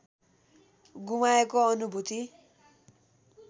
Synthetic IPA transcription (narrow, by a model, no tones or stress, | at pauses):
ɡumaekoʌnubʱut̪i